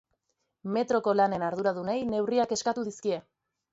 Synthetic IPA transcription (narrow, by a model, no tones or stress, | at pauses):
me̞t̪ɾo̞ko̞lane̞naɾðuɾaðunajne̞wriake̞skat̪uð̞iskie̞